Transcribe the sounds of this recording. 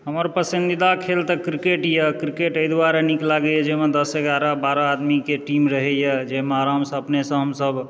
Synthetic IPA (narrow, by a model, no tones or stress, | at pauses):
ɦəməɾpəsind̪id̪akʰelt̪ɔkɾikeʈjekɾikeʈəjd̪waɾeniklaɡejed͡ʒeɦmed̪əsəɡaɾabaɾaad̪mikeʈimɾəɦɛjed͡ʒemaɾamsə̃əpnesə̃ɦəmsəb